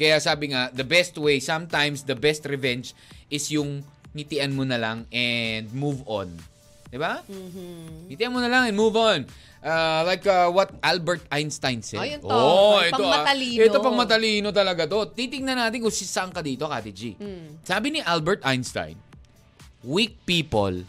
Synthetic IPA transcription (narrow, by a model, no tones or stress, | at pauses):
kɐjasaːbɪŋad̪ɐbɛst̪̚wejsɐ̃mt̪ãjmsd̪ɐbɛst̪ɹɛvɛ̃nd͡ʒʔɪsjʊŋ | ŋɪt̪ɪʔɐnmonɐlaŋɛnd̪̚muvõ̰n | d̪ɪba | ŋɪt̪ɪʔanmonɐlɐŋɛnmuvon | ʔɐlajkɐwɐt̪̚ʔalbɛɹt̪̚ajnst̪ajnsɛ̰ʔoɛtp̪oɐliɛt̪opɐŋmɐt̪ɐliːnot̪ɐlɐɡat̪o̞t̪it̪ɪŋnɐnaːt̪ɪnkʊŋsɪsaɐŋkɐd̪iːt̪okat̪ɪd͡ʒisaːbɪniʔalbɛɹt̪ajnst̪a̰jn | wik̚piːpo̰l